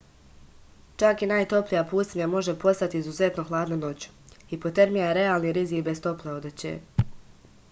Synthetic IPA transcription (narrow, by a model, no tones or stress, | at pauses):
t͡ʃakinaːjt̪o̞plijapuːsimjamo̞ʒe̞po̞st̪at̪iizuze̞t̪no̞xlˠaːd̪nono̞t͡ɕu̥hipot̪e̞ɾmijaɾe̞aːlˠniɾizikbest̪o̞pleo̞d̪at͡ɕḛ